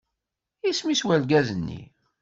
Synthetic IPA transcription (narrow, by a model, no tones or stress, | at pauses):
ismiswælɡæzənːḭ